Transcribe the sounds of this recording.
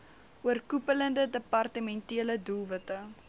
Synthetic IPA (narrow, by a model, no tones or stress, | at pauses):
ʔuərkupələndədəpɑrtəmɛntiələdulˠvətə